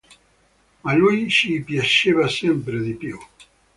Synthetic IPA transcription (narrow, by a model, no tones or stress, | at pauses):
alujʃipjaʃeβasempɾeðipjo